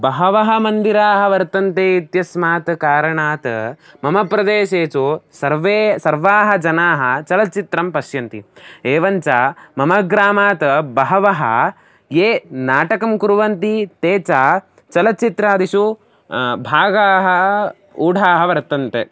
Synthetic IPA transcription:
bɐɦɐʋɐɦɐmɐnd̪iɾaːɦɐʋɐɾt̪ɐnt̪eit̪jɐsmaːt̪ɐkaːɾɐɳaːt̪ɐ̰ | mɐmɐpɾɐd̪eːʃeːt͡ʃosɐɾʋeːsɐɾʋaːɦɐd͡ʒɐnaːɦɐt͡ʃɐlɐt͡ʃit̪ɾɐmpɐʃjɐnt̪ḭeːʋɐɲt͡ʃaːmɐmɐɡɾaːmaːt̪ɐbɐɦɐʋɐɦɐ̰ | jeːnaːʈɐkɐmkuɾʋɐnt̪it̪eːt͡ʃaː | t͡ʃɐlɐt͡ʃit̪ɾaːd̪iʃu | bʱaːɡaːɦɐ | uːɖʱaːɦɐʋɐɾt̪ɐnt̪e

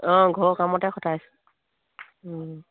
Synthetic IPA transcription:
ɔ̃ɡʱɔɹkamɔtɛxɔtʰas

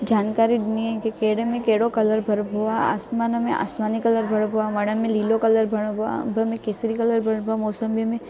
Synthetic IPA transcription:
d͡ʒaːnkaːɾidniẽkekeːɽemẽkeːɽokɐləɾbʱɐɾbʱuaa̰ːsmaːnɐmẽʔa̰ːsmaːnikɐləɾbʱɐɽbʱuamɐɽɐmẽliːlokɐləɾbʱɐɽboa̰bʱɐmẽkeːsɾikɐləɾbʱɐɽbʱoamoːsəmbimẽ

